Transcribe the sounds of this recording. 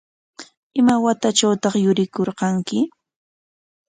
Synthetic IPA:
ɪmawat̪at͡ʃawt̪ɑχjʊɾɪkoɾqɑŋkɪ

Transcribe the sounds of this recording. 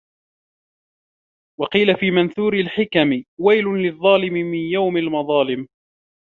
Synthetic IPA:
wɑqiːlafiːmanθuːɾɪlħɪkamɪwajlʊlɪðˤːɑːlɪmɪmɪnjawmalmɑðˤɑːlɪm

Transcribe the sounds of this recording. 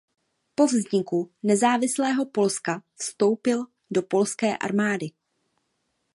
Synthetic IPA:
po̞vzɲɪkunɛzaːvɪslɛːɦo̞po̞lskafst̪o̞wpɪl | do̞po̞lskɛːʔa̰ɾmaːdɪ

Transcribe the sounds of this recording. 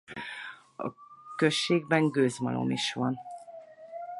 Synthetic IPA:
ɒ̰køʃːeːɡ̚bɛŋɡøːzmɒ̰lʔo̞̰miʃʋɒn

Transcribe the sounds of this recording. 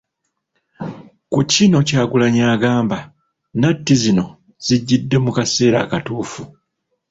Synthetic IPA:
kucino̞caːɡulaɲaːɡaːmba | natːizino̞ | z̥iɟːidːe̞mukase̞ːɾa̰ːkatuːfu

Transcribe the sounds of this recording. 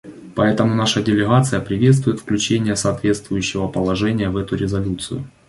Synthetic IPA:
pɐɛt̪əmʊnaʂədʲɪlʲɪɣat̪sɨjəpɾʲɪvʲe̞t̪st̪vʊjɪt̪fklʲʉt͡ɕenʲɪjəsɐːt̪vʲe̞t̪st̪vʊjʉɕːɪvəpəlˠɐʐɛnʲɪjəvɛt̪ʊɾʲɪzɐlʲut̪sɨ̰jʊ̰

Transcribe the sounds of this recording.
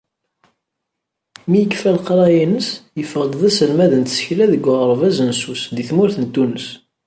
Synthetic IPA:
mijəkːfælqɾˤɑjinəsjəfəʁd̪ðæsəlmæðənt̪sə̥çlæðəɡːʊʁəɾˤvæzənsusðiθmʊɾθənt̪ːunəs

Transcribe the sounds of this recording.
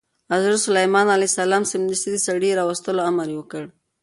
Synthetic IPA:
azəɾsʊlajmɑnalasalɑmsɪmd̪əst̪id̪əsaɽiɾɑwast̪əloamaɾwəkəɽ

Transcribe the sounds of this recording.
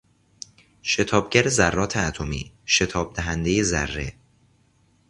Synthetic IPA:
ʃe̞t̪ʰɒːb̚ɟæɾezærːɒːt̪ʰeæt̪ʰomḭː | ʃe̞t̪ʰɒːb̥̚d̪æɦænd̪ejezæ̰rːe̞̰

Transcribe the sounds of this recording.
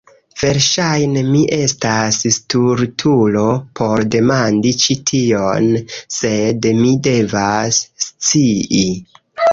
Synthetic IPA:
v̥e̞ɾʃajne̞miʔe̞stasstuɾtʰulo̞pʰo̞ɾde̞mandit͡ʃitʰionse̞dmide̞vasːt͡sii

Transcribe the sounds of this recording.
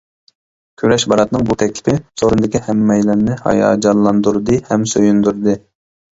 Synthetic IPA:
kʲʰøɾɛʃbɑɾɑt̪nɨŋbut̪ʰɛkʲlʰɪ̥pʰɪsʰoɾund̪ɪkʲihɛmːɛjlɪɾnɪhɑ̰jɑ̰ːd͡ʒɑlˠːɑnd̪uɾd̪ɨhɛmsøjynd̪uɾd̪ɨ

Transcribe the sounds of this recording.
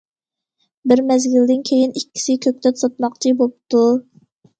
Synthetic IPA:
bɪɾmɛzɡʲild̪ɪnkʲʰejinikʲʰːi̥sɪkʲʰøk̚ʲt̪ɛt̪sot̪mɑqt͡ʃʰibop̚t̪u

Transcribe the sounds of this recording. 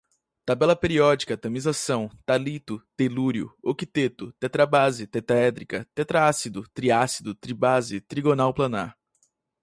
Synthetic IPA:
t̪abɛlɐpeɾiɔd͡ʒikɐt̪ɐ̃mizasɐ̃w̃t̪alit̪ʊt̪eluɾjʊ̰okit̪et̪ʊt̪ɛt̪ɾabazɪt̪ɛt̪aɛd̪ɾikɐt̪et̪ɾaasid̪ʊt̪ɾiasid̪ʊt̪ɾibazɪt̪ɾiɡonawplɐ̃na̰ɾ

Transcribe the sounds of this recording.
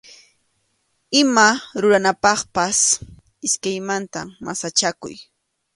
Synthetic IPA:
ɪmaɾʊɾanapɑχpas | ɪskajmant̪amʔa̰sat͡ʃakʊ̰j

